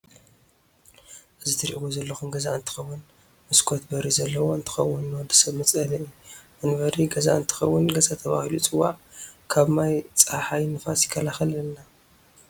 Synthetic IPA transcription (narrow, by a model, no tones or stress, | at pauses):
ʔɨzit̪ʰɨɾʔiwozɐlːɐxumɡɐzaɨnt̪ʰɨ̥xɐwːʊn | mɨskʰo̞t̪̚bɐɾizɐlːɐwo̞ɨnt̪ʰɨ̥xɐwːɨnːɔd̪ɨ̥sɐβmɨt͡sʼɐlɐʔijuʔɨnβɐɾiɡɐza̰ʔɨnt̪ʰɨ̥xɐwːʊnɡɐzat̪ʰɐβa̰hilut͡sʼɨwːaʕkʰaβmajt͡sʼaħajnɨfasjɪkʰːɐlaxɐlɐnːa